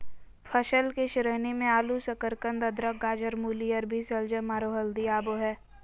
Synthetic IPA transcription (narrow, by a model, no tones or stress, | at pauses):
pʰəʃəlkeʃɪɾəɦnemẽaːlusɐkəɾkə̃nd̪ɐd̪ɾəkɡaːd͡ʒəɾmuːliəɾbʱisɐld͡ʒəmaːɾoɦəld̪iaːboɦɛː